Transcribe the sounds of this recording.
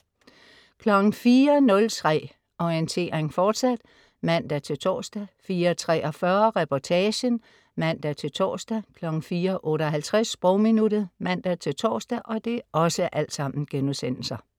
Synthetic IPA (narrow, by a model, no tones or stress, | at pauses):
kʰlɒ̽ɡ̥n̩fiːɐnɔ̽lt͡sʰʁɛ̰ː | ɒent͡sʰe̝̰ːɐʁeŋfɒːd̥sæd̥ | mæn̰d̥æt͡sʰe̝lt͡sʰɒ̰ːsd̥æfiːɐɒt͡sʰʁɛ̰ːʔɒfɶɐʁɛpʰɒt͡sʰɛːɕən | mæn̰d̥æt͡sʰe̝lt͡sʰɒ̰ːsd̥ækʰlɒ̽ɡ̥n̩fiːɐʔɔ̽ːɾɐɒɦælt͡sʰʁasːb̥ʁɔʊminuɾ̥ð̩ˠmæn̰d̥æt͡sʰe̝lt͡sʰɒ̰ːsd̥æʔɒ̽d̥e̝ʔɒ̽səʔæl̰d̥sɑ̈m̰n̩ɡ̥enuðˠsen̰l̩sɐ